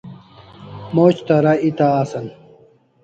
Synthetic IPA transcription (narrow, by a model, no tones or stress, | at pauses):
moːt͡ɕt̪ɐɾɐit̪aːsɐn